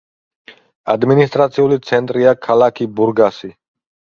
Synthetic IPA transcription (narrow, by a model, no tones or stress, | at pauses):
a̰d̪minist̪ʼɾat̪sʰiulit̪sʰɛnt̪ʼɾiakʰalakʰibuɾɡasi